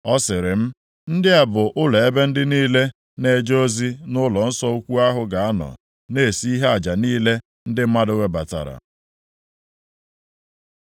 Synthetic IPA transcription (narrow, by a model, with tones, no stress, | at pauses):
ɔ˦sɪ˨ɾɪ˨m̩˦ | n̩˦dɪ˦a˨bʊ˨ʔʊ˦le˨e˦be˦n̩˦dɪ˦niː˦le˦ | ne˦d͡ʒo˦zi˦nʊ˦lɔ˨n̩˦sɔ˦u˦kʷu˦a˦ɦʊ˦ɡa˨a˦nɔ̰˨ | ne˦˨si˦i˦ɦe˦a˨d͡ʒa˨niː˦le˦ | n̩˦dɪ˦m̩˦ma˦dʊ˦we˦ba̰˨ta̰˨ɾa̰˨